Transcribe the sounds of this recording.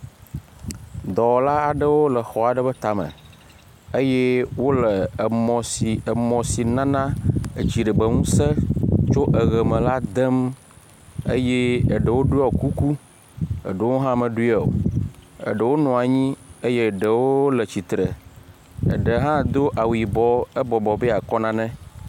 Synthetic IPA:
d̪ɔ˨la˦a˨ɖə˦wo˦lə˨xɔ˨a˨ɖə˦bə˦t̪a˨mə̰̃˨ | ə˦je˦wo˦lə˨mɔ̃˨si˨ə˨mɔ̃˨si˨nã˦nã˦ə˨d͡ʑi˨ɖə˨bə˦ŋũ˦sə˦t͡ʃo˦ʔə˨ɣə˨mə̃˨la˦d̪ə˦m | ḛ˦je˦ə˨ɖə˨wo˦ɖu˦a˦˨o˨ku˦ku˦ | ə̰˨ɖə˨wo˦ɦã˦mə̃˨ɖu˦ɛ˨o̰˨ə̰˨ɖə˨wo˦nɔ̃˨a˨ɲĩ˦ə˦je˦˨ɖə˨wo˦lə˨t͡ɕi˨t̪ɾə˨ | ə̰˨ɖə˨ɦã˦d̪o˦ʔa˨wi˨bɔ˦ə˦bɔ˨bɔ˨be˦a˨kɔ˦nã˦nɛ̃˦

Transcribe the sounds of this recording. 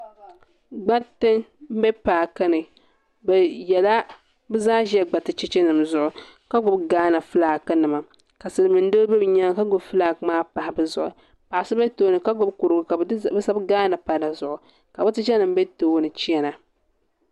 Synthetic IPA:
ɡ͡ba˦tɨ˦ŋm̩˦bɛ˦paː˨ka˦nɨ˨ | bɛ˨jɛ˨la˦ | bɨ˦zaː˦ʒɛ˦ɡ͡ba˨tɨ˨t͡ʃɛ˦t͡ʃɛ˦nɨ˨mzʊ˦ʔʊ˨ | ka˦ɡʊ˦bɡaː˦na˨fɨ˦laː˨kɨ˦nɨ˨ma˨ | ka˨sɨ˨lɨ˨mɨ˨n˦do˦bɛ˦bɲa˦ŋka˦ɡʊ˨bfɨ˦laː˨kmaː˦pa˨hɪ˨bɨ˦zʊ˨ʔʊ̰˨ | pa˨ʔa˨sɨ˦ba˦toː˦nɨ˨ka˦ɡʊ˦bku˨ɾɨ˨ɡʊ˨ka˨˦bɨ˦sa˦bɡaː˦na˨pa˨la˨zʊ˨ʔʊ˨ | ka˨bɨ˦tɨ˦ʒɛ˦nɨ˨m̩˦bɛ˦toː˨˦nɨ˨t͡ʃi˦ɛ˦na˨

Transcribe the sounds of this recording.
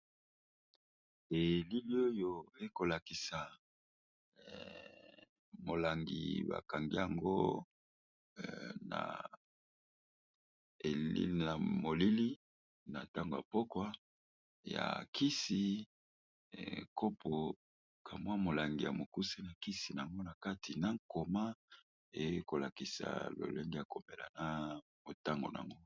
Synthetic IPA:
e˨li˦li˦o˦jo˦˨e˦ko˨la˨ki˨sa˨ | mo˨la˨ŋɡḭ˨ba̰˨ka˨ŋɡi˦ja˨ŋɡo̰˦ | na̰˨ | e˨lḭ˦˨na˨mo˨li˦li˦ | na˨ta˦ŋɡo˨ja̰˨po˦kwa˦ | ja̰˨ki˦si˨˦ | kʰo˦pʰo˨ | ka˨mwa˦mo˨la˨ŋɡi˨ja˨mo˨ku˦se˦na˨ki˦si˨n˨a˨ŋɡo˦na˨ka˦tʰi˨na˦ŋko˨ma˦ | e˨je˦ko˨la˨ki˨sa̰˨lo̰˨le˦ŋɡi˦ja˨ko˨me˨la̰˨na˦ | mo˨ta˦ŋɡo̰˨n˨a̰˨ŋɡo˦

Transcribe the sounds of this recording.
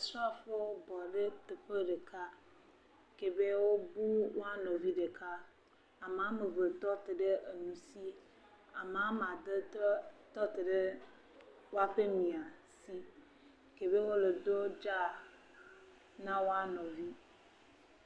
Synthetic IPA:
sɾu˦a˦ɸe˦wo˦bɔ˨ɖe˦t̪e˨ɸe˦ɖe˨ka˦ | ke˨be˦wo˦bu˦wo˦a˦nɔ̃˨vi˦ɖe˨ka˦ | a˨m˨ã˦me˨ve˨t̪ɔ˦t̪e˨ɖe˦ʔe˨nũ˨si˦ | a˨m˨ã˦m˨a˨d̪e˦t̪ɔ˦t̪e˨ɖe˦ | wo˦a˦ɸe˦mĩ˨a˨si˦ | ke˨be˦wo˦le˨d̪o˦d͡ʒa˦ | nã˦wo˦a˦nɔ̃˨vi˦

